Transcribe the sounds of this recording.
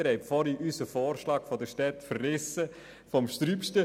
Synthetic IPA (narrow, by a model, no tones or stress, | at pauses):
əɾhɛɪbfɔɾiʔysəfoːɾʃlɑːkfɔdəʃtɛtfərlɪsə | fɔmʃtɾyːpʃtə